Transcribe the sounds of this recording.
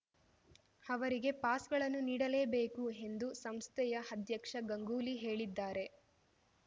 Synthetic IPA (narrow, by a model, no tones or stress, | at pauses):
ɐʋɐɾiɡe̞paːsɡɐɭɐnːuniːɽɐleːbeːkuɦe̞nd̪usɐmst̪ʰɛjɐɐd̪jɐkʂɐɡɐŋɡuːliɦe̞ːɭid̪ːaːɾe̞